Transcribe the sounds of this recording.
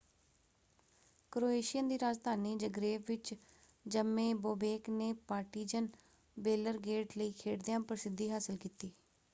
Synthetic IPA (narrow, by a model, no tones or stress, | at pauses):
kɾoːeːʃɪjənd̪iːɾaːd͡ʒd̪ʱaːniːd͡ʒəɡɾeːʋʋɪt͡ʃ | d͡ʒəmːẽːboːbeːkneːpaːʈiːd͡ʒən | beːləɾɡeːʈləiːkʰeːɽd̪ejãːpɾəsɪd̪iːɦaːsəlkiːt̪iː